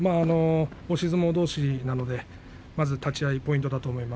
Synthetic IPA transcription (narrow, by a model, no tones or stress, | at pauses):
maːno̞oɕizɨmo̞d̪o̞ːɕinano̞d̪e̞ | mazɨt̪at͡ɕiaipo̞ĩnt̪o̞d̪at̪o̞ːmo̞ima